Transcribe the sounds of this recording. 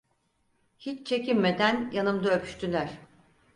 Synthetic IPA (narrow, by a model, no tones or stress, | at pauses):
hit͡ʃt͡ʃʰe̞cinme̞d̪ænjanɯmd̪aøpʰy̥ʃt̪ylʲæɾ̝̥